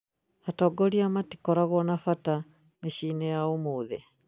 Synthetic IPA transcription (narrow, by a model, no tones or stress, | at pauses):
atɔɡɔɾiamati̥kɔɾaɣɔnafata | meʃiːnɛjaomoːðɛ